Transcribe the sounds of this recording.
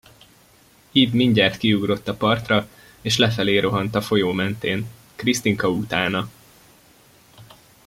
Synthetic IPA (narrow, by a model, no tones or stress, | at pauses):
iːbmiɲɟaːt̪kiuɡro̞t̪ːɒpɒrt̪rɒ | eːʃlɛfɛleːɾo̞ɦɒnt̪ɒfo̞joːmɛnt̪eːn | krist̪iŋkɒut̪aːnɒ